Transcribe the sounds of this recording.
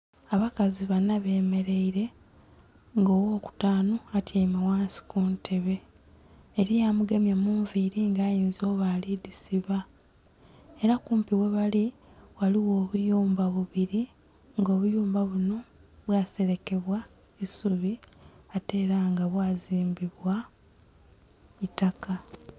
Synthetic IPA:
aβakaziβanːaβe̞ːme̞ɾe̞iɾe̞ | ŋɡo̞ːwo̞ːku̥taːnoatjaimawaːnsi̥kuntʰe̞βe̞ː | ɾijamuɡe̞mjamuːɱviɾiŋɡaːjiːnzio̞βalidisiβa | e̞ɾakuːmpiwe̞βaliwaliwo̞ːβujuːmbaβuβiɾi | ŋɡo̞ːβujuːmbaβuno̞βwaːse̞ɾe̞ke̞βwa | isuβiate̞ːɾaŋɡaβwaːziːmbiβwa | itaka

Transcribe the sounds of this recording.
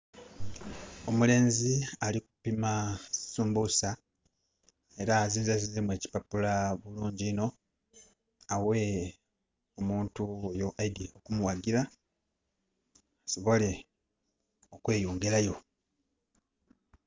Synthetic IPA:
o̞mule̞ːnzialiku̥pimasuːmbusa | e̞ɾaːziːnzazizemwe̞ːci̥papulaβuluːɲɟiːno̞ | awe̞ | omuːntuojo̞ʔadio̞kumuwaɡila | so̞βo̞le̞ | okwe̞ːjuːŋɡelajo̞

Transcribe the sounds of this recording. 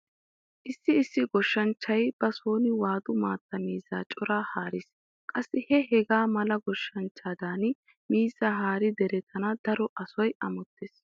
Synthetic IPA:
ʔɪsːɪɪsːɪɡɔʃːɐnt͡ʃːɐjb̥ɐsoːnɪwaːd̪ʊmaːt̪ːɐmiːzːa̰ːt͡ʃʼɔɾaːhaːɾɪs | kʼɐsːɪhɛɦɛɡaːmɐlɐɡɔʃːɐnt͡ʃːaːd̪aːn | miːzːaːɦaːɾɪd̪ɛɾɛt̪ʰɐnɐd̪̥ɐɾɔʔɐsɔjɐmɔt̪ːeːs

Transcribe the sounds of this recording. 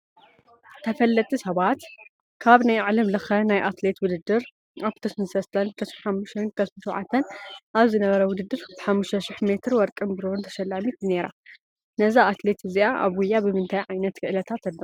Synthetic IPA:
t̪ʰɐfɐlːɐt̪ʼisɐβat̪ | kʰaβnajʕalɐmlɨxɐnajʔat̪le̞t̪wʊd̪ɨd̪ːɨɾ | aβt̪ʰɐsɨnsɐst̪ʰɐnt̪ʰɐʃħamːuʃt̪ʰɐnk̪ʰɐsɨʃɐʕa̰t̪ʰːɐnʔaβzɨnɐβɐɾɐwʊd̪ɨd̪ːɨɾbɨħamːuʃt̪ʰɐʃɪħme̞t̪ɾwɔɾkʼɨnbɨɾont̪ʰɐ̥ʃɐlːamit̪ne̞ɾa̰ | nɐzaat̪le̞t̪ʰɨziʔaʔa̰βwʊjːabɨmɨnt̪ʰajʕajnɐt̪kʰɨʔɨlɐt̪ʰat̪ːɐlːɐ

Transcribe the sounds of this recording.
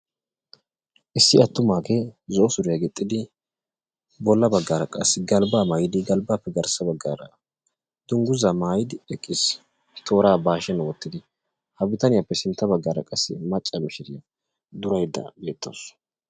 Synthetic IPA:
ʔɪsːɪɐt̪ːʊmaːkezɔːsʊɾɪjɐɡɪt̪ʼːɪd̪ɪ | bɔlːɐbɐɡːaːɾɐkʼɐsːɪɡɐlbaːmaːjɪd̪ɪɡɐlbaːpːɛɡɐɾsɐbɐɡːaːɾɐ̰ | d̪ʊŋɡʊzɐmaːjɪd̪ɪɛkʼːɪs | t̪ʰo̞ːɾaːbaːʃɛnwɔt̪ːɪd̪ɪ | hɐbɪt̪ɐnɪjapːɛsɪnt̪ːɐbɐɡːaːɾɐ̰kʼɐsːɪ̰mɐt͡ʃʼːɐmɪʃɪd̪ɪjɐ | d̪ʊɾɐjɪd̪ɐ̰be̞ːt̪ːo̰ːs

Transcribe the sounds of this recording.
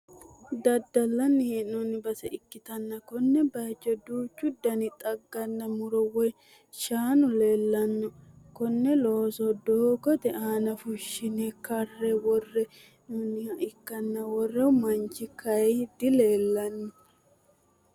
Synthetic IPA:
d̪ɐd̪ːɐlːɐnːɪhɛnunːɪbɐsɛʔɪkːɪt̪ɐnːɐkɔnːɛbɐjd͡ʒːɔd̪uːt͡ʃːʊd̪ɐnɪt̪ʼɐɡːɐnːɐmʊɾɔwɔj | ʃaːnʊle̞ːlːɐnːɔkɔnːɛloːsɔd̪oːkɔt̪ɛʔaːnɐfʊʃːɪnɛkɐrːɛwɔrːɛ | nunːɪhɐʔɪkːɐnːɐwɔrːɛʊmɐnt͡ʃːɪkʰɐjd̪ɪleːlːɐnːɔ

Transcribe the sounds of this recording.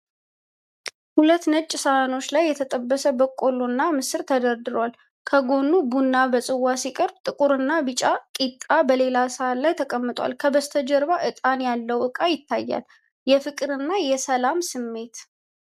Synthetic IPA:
hulət̪ːnət͡ʃʼːɪsano̞t͡ʃːlajːɛt̪ʰət̪ʼəbːəsəbəkʼːolonːamɨsɨɾt̪ʰəd̪əɾd̪ɨɾwal | kʰəɡo̞nːubunːabəsʼɨwːasikʼəɾbt̪ʼɨkʼuɾɨnːabɨt͡ʃʼakʼit̪ʼːabəle̞lasəat̪lajt̪ʰəkʼəmːɨt̪ʼwa̰lkʰəbəst̪ʰəd͡ʒəɾβaʔɨt̪ʼanjalːəwʔɨkʼajɪt̪ʰːajːa̰l | jɛfɨkʼɨɾɨnːajɛsəlamsɨmːe̞t̪

